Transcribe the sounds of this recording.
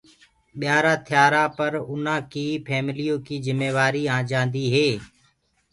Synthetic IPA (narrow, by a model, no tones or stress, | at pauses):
ɓɪjaːɾaːt̪ʰɪjaːɾaːpəɾʊnãːkiːpʰɛːmɪlijõːkiːzɪmeːʋaːɾiːãːd͡ʒãːnd̪iːɦeː